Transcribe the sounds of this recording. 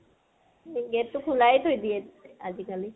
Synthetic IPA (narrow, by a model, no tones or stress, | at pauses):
eɡɛtːʊkʰulajtʰojdiɛazikali